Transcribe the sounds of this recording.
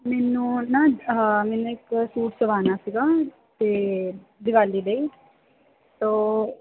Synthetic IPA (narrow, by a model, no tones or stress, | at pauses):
mɛːnũːnãːmɛːnũːɪksuːʈsəʋaːnaːsiːɡaː | t̪eːd̪ɪɡaːlːiːd̪eiː | t̪oː